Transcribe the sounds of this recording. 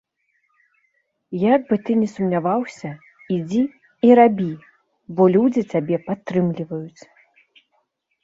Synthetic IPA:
jaɡ̚bɨt̪ɨnʲɛsumnʲavawsʲɐ | id͡zʲi | iɾabʲi | bɔlʲud͡zʲit͡s̪ʲabʲɛpat̪ːɾɨmlʲivɐjut͡sʲ

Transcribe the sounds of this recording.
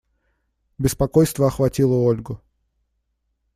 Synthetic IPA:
bʲɪspɐkojst̪vəɐxvɐtʲilˠəolʲɡʊ

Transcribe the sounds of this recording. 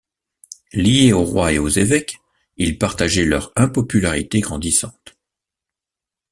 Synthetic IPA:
lijeoʁwaeozevɛk | ilpaʁt̪aʒɛlœʁɛ̃pɔpylaʁit̪eɡʁɑ̃d̪isɑ̃t̪

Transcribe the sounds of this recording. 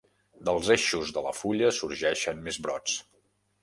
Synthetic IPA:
d̪əlˠzeʃuzðələ̰fuʎəsuɾʒɛʃənmezβɾɔt͡s

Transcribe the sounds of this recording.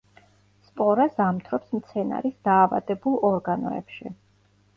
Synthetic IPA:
spʼɔɾasamt̪ʰɾɔpsmt̪sʰɛna̰ɾisd̪̥aːva̰d̪ɛbulˠɔɾɡanɔ̰ɛ̰pʃḭ

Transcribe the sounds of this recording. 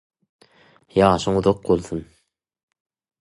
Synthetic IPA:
jɑːʃɯŋuðoq̚bolˠθun

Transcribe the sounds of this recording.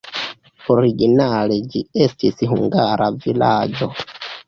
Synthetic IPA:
oɾiɡinale̞d͡ʒie̞stisɦuŋɡaɾʔavilad͡ʒo̞

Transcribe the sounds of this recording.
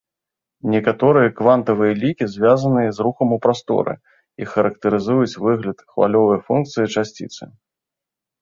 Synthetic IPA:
nʲɛkat̪ɔɾɨjɐkvant̪ɐvɨjɐlʲikʲizʲvʲazɐnɨjɐzruxɐmupɾast̪ɔ̰ɾɨ̰ | ixɐɾɐk̚t̪ɨɾɨzujut͡sʲvɨɣlʲɐt̪xva̰lʲɔvɐjfunk̚t̪sɨjit͡ʂasʲt͡sʲḭt̪sɨ̰

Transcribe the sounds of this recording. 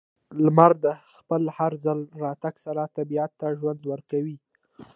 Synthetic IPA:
lmaɾd̪əxpəlhaɾzalɾɑt̪aɡsaɾat̪abiat̪ːaʒwand̪wəɾkawi

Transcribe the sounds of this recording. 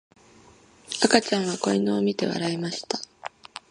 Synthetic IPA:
akat͡ɕãɰ̃βako̞inoːmʲit̪e̞̰βa̰ɾaimaɕi̥t̪ḁ

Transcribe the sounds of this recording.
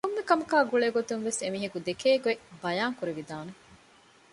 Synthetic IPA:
kumːekɐmukaːɡuɭeːɡot̪unʋesemiːɦɐkud̪ekeːɡuebɐjaːŋkuɾiʋid̪aːne

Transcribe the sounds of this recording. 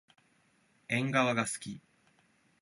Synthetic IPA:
ẽ̞ŋɡaβaɡasɨ̥kʲi

